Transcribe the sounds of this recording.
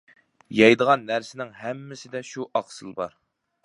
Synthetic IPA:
jɑjd̪əʁɑnːæɾsɪnɪŋɦɛmːɪsɪd̪ɛʃuʔɑqsɨlˠbɑɾ

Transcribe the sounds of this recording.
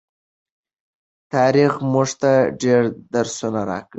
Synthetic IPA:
t̪ɑɾixmuʐt̪aɖeɾd̪aɾsunaɾɑ̰kə

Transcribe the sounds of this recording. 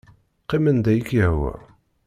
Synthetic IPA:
qːimənd̪æjəkjəhwə̰ɾ

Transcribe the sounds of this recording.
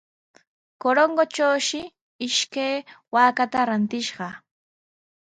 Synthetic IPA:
koɾoŋɢot͡ʃawʃɪ | ɪʃkajwaːkat̪aɾant̪ɪʃɢɑ

